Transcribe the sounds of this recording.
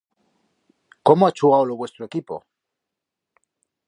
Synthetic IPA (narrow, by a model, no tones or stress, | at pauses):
ko̞moat͡ʃuɣawloβwe̞st̪ɾoe̞kipo̞̰